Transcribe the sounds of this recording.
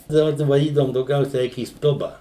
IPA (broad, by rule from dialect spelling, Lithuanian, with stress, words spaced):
dɐˈbɐ dɐ ʋɐˈdʲiːdɐʋʊm dɐʊˈɡʲɛʊsʲɛ ˈɛɪk iː ˈstʊbɐ